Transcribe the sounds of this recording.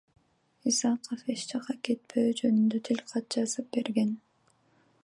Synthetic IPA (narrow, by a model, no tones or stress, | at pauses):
isɑqofeʃd͡ʒɑqɑke̞t̪̚pʰøːd͡ʒønynd̪øt̪ʰilʲqʰɑt̪̚d͡ʒɑzɯp̚be̞ɾɡe̞n